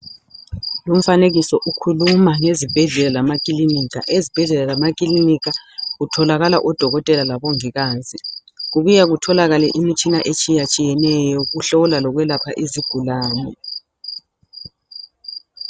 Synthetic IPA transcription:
lum̩faneɣisɔʔukʰulumaŋezib̥ʱɛɮɛlalamakʼilinik̬ʰʼa̰ʔezib̥ʱɛɮɛlalamakʼilinik̬aɣutʰɔlaɣala̰ʔɔd̥ʱɔɣɔtʼɛlalaβɔŋiɣaːzʼiɣuβujaɣutʰɔlaɣalɛʔimit͡ʃʼinaʔet͡ʃʼijat͡ʃʼijɛnɛjɔɣuɬɔlalɔɣwɛlapʰaʔiziɡ̥ʱulaːnɛ

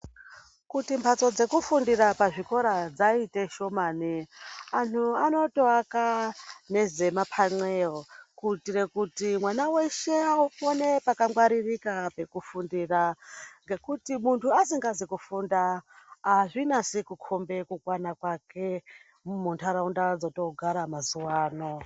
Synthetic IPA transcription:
kutimpʰat͡so̞d͡ze̞kufundiɾapaʐiko̞ɾad͡zaite̞ʃo̞maːnianuano̞to̞akane̞ze̞mapʰaŋ͡ǀweokutiɾe̞kutimwanawe̞ʃe̞aupo̞ne̞pakamwaɾirikape̞kufundiːraŋɡekutimuntʰuasiŋɡazikufundaaʐinasikukʰo̞mbe̞kukwanakwake̞ | muntʰaɾaundad͡zoto̞ɡʱaɾamazuwaːno̞

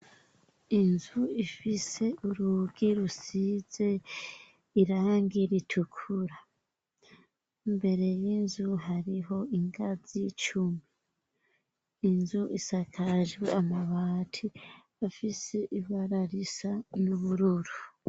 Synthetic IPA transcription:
inzuifise̞uɾuɡiɾusize̞ | iɾaːŋɡiɾitʰukʰuɾa | mbe̞ɾe̞jinzuɦaɾiɦo̞iŋɡazit͡ʃumi | nzuʔisakʰaʒɡweamaβaːtʰi | afise̞ʔiβaɾaɾisanuβuɾuɾu

